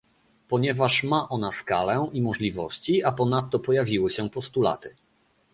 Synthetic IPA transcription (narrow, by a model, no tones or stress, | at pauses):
pɔɲɛvaʂmaʔɔnaskalɛimɔʐlʲivɔɕt͡ɕiapɔnat̪ːɔpɔjavʲiwɘɕɛpɔst̪ula̰t̪ɘ